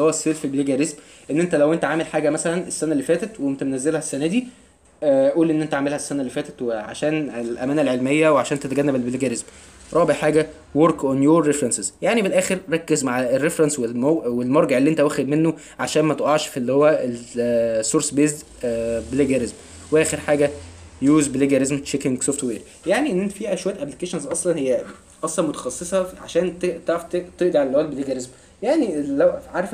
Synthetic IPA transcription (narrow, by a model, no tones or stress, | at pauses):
howːæsːeːlfelbeleɡæɾesm | ʔenːent̪ælæwʔent̪æʕaːmelħaːɡæmæsælænesːænælːifæːt̪æt̪wemt̪æmnæzːelhæsːænæd̪iː | ʔuːlʔenːʔent̪æʕamelhæsːænælːifæːt̪æt̪weʕa̰ʃæːnelʔæ̰mæːnælʕelmejːæweʕaʃæːnt̪et̪ɡænːæbelbeleɡæɾesm | ɾˤɑːbeʕħaːɡæ | woɾkʔonjoːɾːefɾensezjaʕnifelʔæːxeɾɾˤɑkːezmaʕæerːefɾɑnswelmowelmɑɾˤɡeʕelːiʔent̪æwæxed̪menːo | ʕaʃæːnmæt̪ʔɑʕʃfʔelːihowːæelsːoɾsbeːz | beleɡæɾezm | weʔæːxeɾħaːɡæ | juːzbeleɡæɾezmt͡ʃekeŋɡsoːft̪weːɾ | jaʕniʔenːʔent̪æfiːʔæʃwæːæt̪ʔæplikeːʃenzʔɑsˤlɑnhejːæ | ʔɑsˤlɑnmot̪æ̥xɑsˤːesˤɑʕaʃæːnt̪et̪eʕt̪et̪eʔd̪iʕalælʔæːlbeleɡæɾezm | jaʕniːæʕaɾˤf